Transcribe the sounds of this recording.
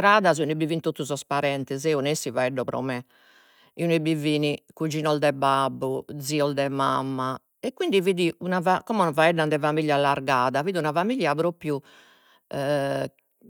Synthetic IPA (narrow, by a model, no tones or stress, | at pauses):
t̪ɾaːðaziunebivinit̪ot̪ːuzɔspaɾɛnt̪ɛzɛunesivaɛɖːɔpɾɔ̰mɛ | iunuibiviːnikud͡ʒinɔld̪ɛbabːud̪ziɔld̪ɛmamːa | ɛkːwind̪iviːðiunavakɔmɛnavaɛɖːand̪ɛvamiʎjalːaɾɡaːðaviːðiunavamiʎjapɾopɾju